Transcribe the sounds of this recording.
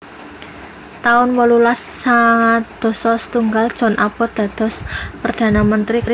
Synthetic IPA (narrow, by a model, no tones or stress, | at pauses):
t̪aʊnwɔlulasːaŋad̪̥ɔ̤sɔsə̥t̪uŋɡald̥ʒ̥ɔ̤nʔapɔd̪̥a̤d̪̥ɔ̤spərd̪̥a̤namənt̪ɾik